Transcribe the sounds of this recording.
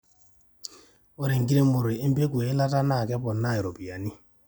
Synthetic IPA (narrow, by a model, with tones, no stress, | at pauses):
o˦ɾi˨ŋ˨ɡi˦ɾe˦mʊ˨ɾe˨i˦m̩˦be˦kwe˨˦la˦ta˦na˦˨kɛ˦pɔ˨nːa˦˨i˨ɾo˨pi˨a˨ni˦